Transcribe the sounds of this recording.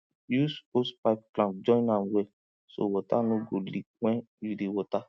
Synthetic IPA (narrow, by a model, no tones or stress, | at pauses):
juspospaɪp̚klãp̚d͡ʒɔ̃ĩnãmwɛ | so̰wɔta̰nõɡoli | wɛ̃ | judewɔta